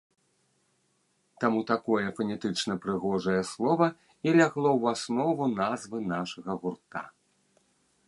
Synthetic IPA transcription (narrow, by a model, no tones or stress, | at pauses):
t̪amut̪akɔjɛfɐnʲɛt̪ɨt͡ʂnɐpɾɨɣɔʐɐjɛslˠɔvɐ | ilʲaɣlˠɔwasnɔvunazvɨnaʂɐɣɐɣurt̪a̰